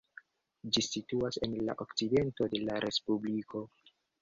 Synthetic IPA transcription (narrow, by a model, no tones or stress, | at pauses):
d͡ʒisituase̞nla̰ʔokt͡side̞nto̞de̞laɾʔe̞spublikʰo̞